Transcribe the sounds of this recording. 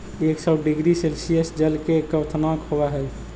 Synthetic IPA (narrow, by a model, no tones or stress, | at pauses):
eksɔbɖiɡɾiselsijəsd͡ʒəlkekəʋt̪ʰnakhoʋaɦɛ